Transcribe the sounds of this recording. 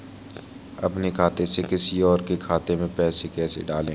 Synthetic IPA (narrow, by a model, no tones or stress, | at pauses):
ɐ̰pnekʰaːt̪esekɪsiɔːɾkekʰaːt̪emẽpɛːsekɛːsḛɖaːlẽː